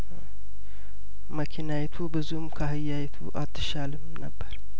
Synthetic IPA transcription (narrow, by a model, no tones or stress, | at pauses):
məkʰinajɛt̪ʰubɨzumkʰaɦɨjːajɛt̪ʰṵʔat̪ʰːɨ̥ʃalɨmnəbːəɾ